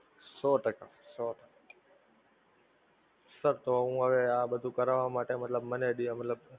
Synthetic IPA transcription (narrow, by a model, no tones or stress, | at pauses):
soːʈəkasoːʈa | səɾt̪oːũːəʋeːaːɓəd̪ʱũːkəɾaʋãːmaːʈeːmət̪ləbməneɗiãmət̪ləb